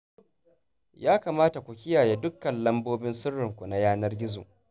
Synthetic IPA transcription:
jaː˦kaː˨maː˦ta˨kʷu˨kʲɪ˦jaː˨je˦dʊ˦kːɐ˨nlɐ˦mboː˦bɪ˦nsʊ˦rːɪ˨ŋkʷu˨na˦jaː˦nɐ˦rɡʲɪ˦zo̰˨

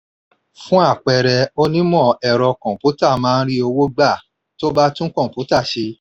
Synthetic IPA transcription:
fũ˦a˦˨k͡pɛ˧˨ɾɛ˧o˧nĩ˦mɔ̃˦˨ɛ˨ɾɔ˧kɔ̃˨pu˨˦ta˦˨mãː˦˧n̩˦ɾi˦o˧wo˦ɡ͡ba˦˨ | to˦ba˦tũ˦kɔ̃˦˨pu˨˦ta˦˨ʃe˧

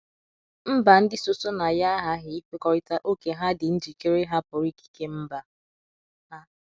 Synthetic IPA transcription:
m̩˦ba˨n̩˦dɪ˦so˦so˦na˨ja˦ɦa˦ɦɪ˦i˦fe˦kɔ˦ɾɪ˦ta˦ʔo˦ke˨ɦa˦dɪ˨n̩˦d͡ʒi˨ke˦ɾe˦ɦa˦pʊ˨ɾi˦ki̥˦ke˦m̩˦ba˨ | ɦa˦

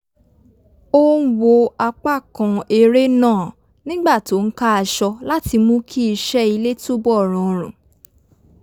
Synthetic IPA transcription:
o˦wo˧a˧k͡pa˦˨kã˨e˧ɾe˦nãː˦˨ | nĩ˦ɡ͡ba˦˨to˨˦ŋ̩˦ka˦a˧˨ʃɔ˧la˦ti˧mũ˦kʰi˦˧ʃɛ˦i˧le˦to˦bɔ˦˨ɾ̃ɔ̃˨ɾ̃ũ˨

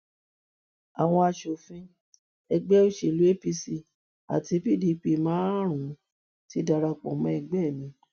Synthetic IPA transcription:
a˨w̃ɔ̃˧a˧ʃo˨fĩ˧˦ | ɛ˧ɡ͡bɛ˦o˦ʃe˨lu˨˦e˦pi˧si˧ | a̰˨ti˧˦pi˦˨di˨˧k͡pi˧mãː˦ɾ̃ũ˨˦ | ti˦da˧ɾa˧k͡pɔ̰̃˨mã˧˦ɛ˧ɡ͡bɛ˦˨mĩ˧˦

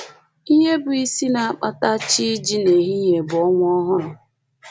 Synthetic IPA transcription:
i˦ɲe˦bʊ˨i˦si˦na˨a˨k͡pa˦ta˦t͡ʃi˦d͡ʒi˦ne˨ɦi˦ɲe˨bʊ˨ɔ˦ŋʷ˦ɔ˦ɦʊ˦ɾʊ˨

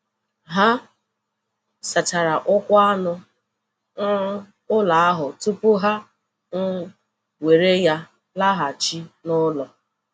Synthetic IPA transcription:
ɦa˦ | sa˨ta˨ɾa˨ʔʊ˦kʷa˦nʊ˦ | n̩˦ | ʊ˦la˨a˦ɦʊ˨tu˦pʊ˦ɦa˦ | ŋ̩˦ | we˨ɾe˦ja˦ | la˦ɦa˨t͡ʃi˦nʊ˦lɔ˨

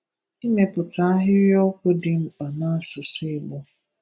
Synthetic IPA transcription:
i˦me˨pʊ˨ta˨˦a˦ɦɪ˦ɾjɔ˦kʷʊ˦dɪ˨m̩˨k͡pa˨na˦sʊ˨sɪ˦˨ɡ͡bʊ˦

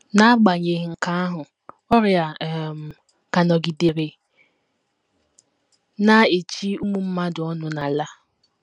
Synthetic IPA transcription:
na˦ɡ͡ba˨ɲe˨ɦŋ̩˨ka˦a˦ɦʊ˨ | ɔ˦ɾja˨m˨ | ka˨nɔ˨ɡi˨de˨ɾe˨ | na˦e˨t͡ʃi˦u˦mu˦m̩˦ma˦dʊ˨ɔ˦nʊ˨na˨la˦

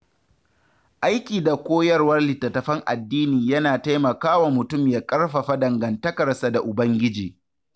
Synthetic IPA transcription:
ʔa˦jkʲiː˨da˨kʷoː˦jɐ˦rwɐ˦rlɪ˨tːɐ˨tɐ˨ɸɐ˦ŋʔa̰˨dːiː˦niː˨jɐ˦naː˨ta˦jmɐ˨kaː˦wa˨mʊ˨tʊ˦mjaː˨kʼɐ˦rɸɐ˨ɸa˦dɐ˨ŋɡɐ˨ntɐ˦kɐ˨rsa˨da˨ʔʊ˨bɐ˦ŋɡʲɪ˦d͡ʒiː˨

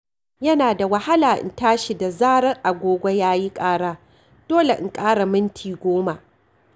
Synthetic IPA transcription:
jɐ˦naː˨da˨wɐ˨ha˦laː˨ʔɪ̰˨ntaː˦ʃi˨da˨zaː˦ɽɐ˦ŋʔa˨ɡʷoː˦ɡʷo˦jaː˦ji˦kʼaː˦ɽaː˦ | d̥oː˦le˨ʔɪ̰˨ŋkʼaː˦ɽa˨mɪ˦ntʰiː˨ɡʷoː˦ma˨ʔ

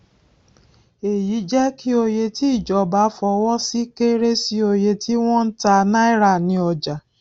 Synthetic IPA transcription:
e˨ji˨˦d͡ʒɛ˦ki˦o˧je˧ti˦i˦˨d͡ʒɔ˨˧ba˨˦fɔ˧wɔ̃˦si˦ke˦ɾe˦si˦o˧je˧tʰi˦w̃ɔ̃˦n̩˦ta˧na˦i˦ɾa˦˨nĩ˧˦ɔ˧d͡ʒa˨

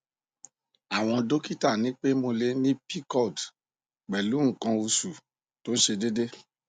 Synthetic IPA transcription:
a˨w̃ɔ̃˧do˦ki˦ta˦˨nĩ˨˦k͡pe˦mo˧le˧˦nĩ˦pi˦kɔ˦˨d | k͡pɛ˨lu˨˦ŋ̩˦˨kã˧u˧su˨ | to˨˦n̩˦ʃe˧de˦de˦

